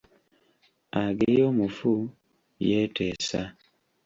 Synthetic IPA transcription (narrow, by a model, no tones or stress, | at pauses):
aɡejomufu | jɛtɛsa